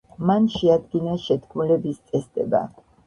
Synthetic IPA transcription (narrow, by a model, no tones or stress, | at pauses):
manʃɛad̪ɡinaʃɛt̪kʰmulɛbist̪sʼɛsd̪ʼɛ̰ba̰